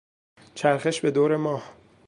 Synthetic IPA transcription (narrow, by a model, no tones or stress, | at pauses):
t͡ʃʰæɾxeʃbe̞d̪oːɾe̞mɒːh